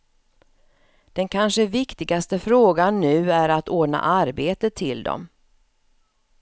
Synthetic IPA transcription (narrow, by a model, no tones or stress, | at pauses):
d̪̥ɛnkʰanʂəvɪkt̪ɪɡast̪əfɾoːɡanːʉ̟ːæɾat̪oːɖɳa̰ʔaɾbeːt̪ət̪ʰːɪld̪ɔ̰m